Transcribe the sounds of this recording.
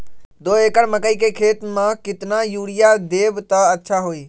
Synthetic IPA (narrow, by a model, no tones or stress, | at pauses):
d̪oːeːkəɽməkəikekʰeːt̪mãkɪt̪najuːɽɪjad̪eːbt̪əətːʃʰaɦoːiː